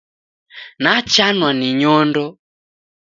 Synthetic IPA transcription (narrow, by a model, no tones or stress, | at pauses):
nat͡ʃanwaniɲɔndɔ